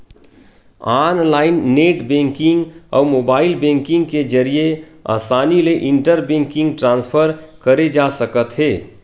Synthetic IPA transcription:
anlaːɪnːeʈbẽːŋkɪ̃ŋɡɔ̰ːɾmoːbaːɪlbẽŋkɪ̃ŋɡked͡ʒəɾijea̰ːsaːnileʔɪ̃ɳʈəɾbẽŋkɪ̃ŋɡʈɾãːnspʰəɾkəɾed͡ʒasəkət̪ɦeː

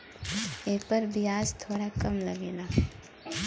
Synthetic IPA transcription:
eːpəɾbʱiaːzt̪ʰoːɽakɐmlɐɡeːnaː

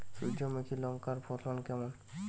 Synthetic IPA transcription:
sud͡ʒɔmekʰilɔŋkaɾpʰɔtʰɔnkɛmɔn

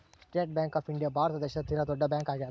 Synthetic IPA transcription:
sʈeːʈ̚bɛ̃ːŋkɔːfɪ̃ɳɖijaːbaːɾt̪ad̪əʃət̪t̪ʰːɪɾat̪oːɖabɛ̃ːŋkaːɡɛja

